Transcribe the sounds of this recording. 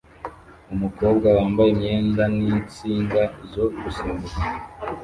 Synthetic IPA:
umuko̞ːb̚ɡawaːmbajemɲeːndanit͡siːŋɡazoɡusimuɾa

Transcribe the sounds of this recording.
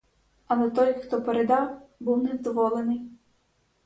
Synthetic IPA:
ɐlˠɛt̪ɔjxt̪ɔpeɾed̪ɑwbuwnɛzd̪ɔʋɔlˠenɪj

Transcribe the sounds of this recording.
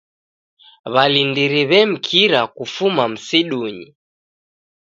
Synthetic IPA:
βalindiɾiβɛm̩kʰiɾakufumam̩siɗuɲi

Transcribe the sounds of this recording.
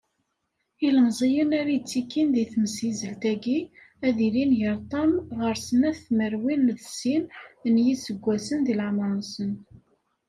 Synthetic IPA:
iləmzˤijənæɾajt͡sːikːinðiθməsizəlt̪æɡi | æðilinʝəɾˤt̪ˤɑmʁəɾsənæθθməɾwinðsinnjisəɡʷːæsənðilʕmənsən

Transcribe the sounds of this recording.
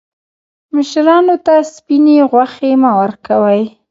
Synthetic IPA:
mɪʃɾɑnot̪aspineɣwaxemawaɾkawəj

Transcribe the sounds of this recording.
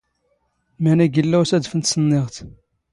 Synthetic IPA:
mænæɡəlːæwæsæd̪fənt̪sənːeʁt̪

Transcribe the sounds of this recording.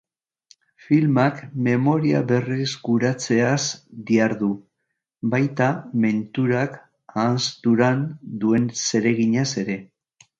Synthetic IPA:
filmakme̞mo̞ɾiaβe̞rizɡuɾat͡se̞asd̪iaɾðu | bajt̪ame̞nt̪uɾak | anst̪uɾand̪ue̞nse̞ɾe̞ɣiɲase̞ɾe̞

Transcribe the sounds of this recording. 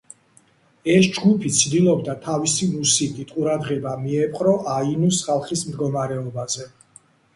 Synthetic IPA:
ɛsd͡ʒɡupʰit̪sʰd̪ilˠɔbd̪at̪ʰavisimusikʼit̪ʼqʼuɾad̪ʁɛbamiɛpʼqʼɾɔʔainusχalˠχismd̪ɡɔmaɾɛɔbazɛ

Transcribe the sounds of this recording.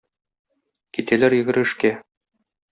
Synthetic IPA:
kit̪ælæɾjɘ̆ɡɘ̆ɾɘ̆ʃkæ

